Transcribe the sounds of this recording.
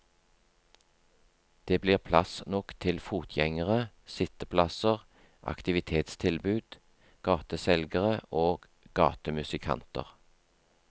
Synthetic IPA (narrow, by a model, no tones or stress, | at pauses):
d̪̥eːbliːʁpʰlɑsnɔkt̪ʰɪlfuːt̪ʰjɛŋəʁə | sɪt̪əpʰlɑsəʁ | ʔɑ̰kt̪ɪʋɪt̪ʰeːt̪st̪ʰɪlbʉːd̪̥ | ɡ̥ɑːt̪əsɛlɡəʁəʔoːɡ̥ | ɡɑ̰ːt̪əmʉsɪkʰɑ̰nt̪ə̰ʁ